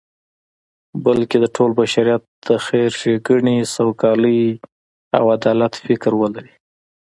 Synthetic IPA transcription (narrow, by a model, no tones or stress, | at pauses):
bəlked̪əʈʰolbaʃaɾijat̪̚d̪̥əxeɾʃeɡəɳisawkɑləj | a̰wad̪ɑlat̪fɪkɾwəlaɾi